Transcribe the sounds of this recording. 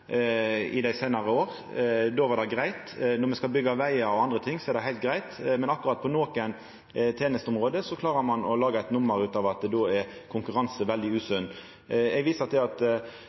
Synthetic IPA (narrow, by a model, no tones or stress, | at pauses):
ɪ̰d̪æɪsæɪnɑɾəoːɾ | d̪oːʋɑd̪æɪɡɾæɪt̪nɔɾmɛskɑlbʏɡːɑʋæɪɑɔɑnd̪ʁət̪ʰɪŋːsɔɛɾd̪æɪɦæɪlt̪̚ɡʁæɪt̪mɛnɑkːʉʁɑt̪̚pʰɔnoːkən | t̪ʰeːnəst̪ɔmʁoːd̪əsɔkʰlɑːɾəɾmɑnɔlɑːɡɑɛɪt̪nʊmːəɾʉːt̪ɑːʋɑt̪̚d̪d̪oːɛɾkʰʊŋkʉɾɑnsəʋɛld̪ɪʉːsʉnː | ɛɡʋiːsət̪ɛɑt̪